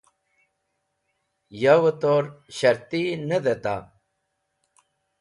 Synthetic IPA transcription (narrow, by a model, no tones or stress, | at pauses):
jawət̪oɾɕɐɾt̪inəd̪et̪a̰